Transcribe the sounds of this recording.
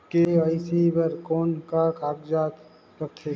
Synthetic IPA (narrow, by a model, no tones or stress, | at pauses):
keaɪsibəɾkɔːnkakaːɡd͡ʒaːt̪ | ət̪ʰe